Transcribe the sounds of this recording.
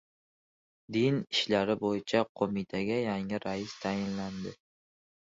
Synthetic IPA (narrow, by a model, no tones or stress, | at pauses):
d̪ɪnɪʃlaɾɪbojɪt͡ʃʰaqʰomɪt̪ʰaɡʲajaŋɪɾʔajɪst̪ʰajɪnland̪ɪ